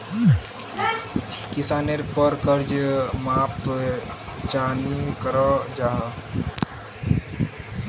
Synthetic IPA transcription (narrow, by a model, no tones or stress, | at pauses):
kɪsaːneɾpəɾkəɾd͡ʒmapt̪o | t͡ʃaːnikəɾɔd͡ʒaɦ